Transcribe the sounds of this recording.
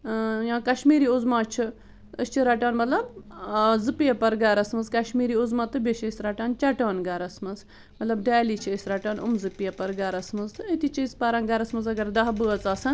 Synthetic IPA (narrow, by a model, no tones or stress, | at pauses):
jãːkɐʃmiːɾiːuzmaːt͡ʃʰi | əst͡ʃʰiɾɐʈaːnmɐt̪lɐb | zɨpijɐpɐɾɡaɾɐsmɐzkɐʃmiːɾiːuzmaːt̪ɨbʲeʃesʲɾɐʈaːnt͡ʃɐʈaːnɡɐɾɐsmɐz | mɐt̪lɐbɖaːliːt͡ʃʰiesʲɾɐʈaːnṵmzɨpijɐpɐɾɡaɾɐsmɐzɨet̪it͡ʃʰispaɾaːnɡɐɾɐsmɐzɐɡɐɾd̪ɐɦbəɐt͡saːsɐn